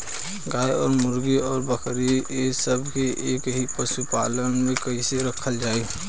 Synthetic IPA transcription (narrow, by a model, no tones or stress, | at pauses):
ɡaːeɔːɾmʊɾɡiɔːɾbəkʰɾiesəbʱkeʔeːkɦipəʃupaːlənmẽkəiseɾəkʰəld͡ʒaːe